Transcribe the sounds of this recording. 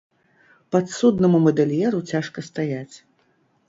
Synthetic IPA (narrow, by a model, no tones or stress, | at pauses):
pɐt̪sud̪nɐmumɐd̪ɛlʲjɛɾut͡sʲaʂkɐst̪ajat͡sʲ